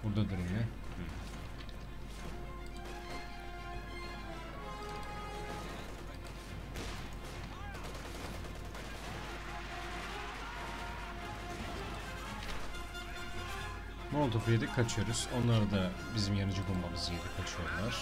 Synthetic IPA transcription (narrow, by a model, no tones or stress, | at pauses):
buɾd̪ad̪yɾynlʲɛ | mot̪ʰofjed̪ɛkʰat͡ʃʰɯjo̞ɾuz̥o̞nlˠaɾd̪a | bizimjanɯd͡ʒɯbulˠmamɯzied̪ɛkʰat͡ʃʰɯjo̞ɾlˠaɾ̥